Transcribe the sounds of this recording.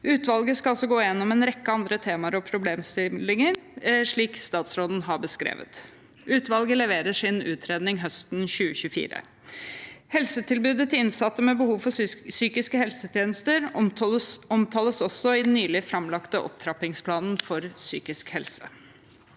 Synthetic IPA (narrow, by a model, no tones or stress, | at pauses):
ʉːt̪ʋɑlɡəskɑɑlsɔɡoːjɛnːɔmɛːnɾɛkːəɑnd̪ɾət̪ʰeːmɑəɾɔpʰɾʊbleːmst̪ɪlɪŋəɾʂɭiːkst̪ɑːt̪sɾoːd̪n̩ɦɑɾbəskɾḛːʋə̰t̪ | ʉːt̪ʋɑlɡələʋeːɾəʂɪnʉ̰ːt̪ʰɾeːd̪nɪŋɦœst̪nçʉːəçʉəfḭːɾə̰ | hɛlsət̪ʰɪlbʉːd̪ət̪ʰɪlɪnsɑt̪ːəmɛbəhuːʋfɔsyːkɪskəhɛlsət̪ʰjeːnəst̪əɾ | ɔmt̪ʰɑːləsɔsːɔɪd̪n̩ːyːlɪfɾɑmlɑkt̪əʔɔ̰p̚t̪ʰɾɑpɪŋspʰlɑːnn̩fɔɾsy̰ːkɪskhɛlsə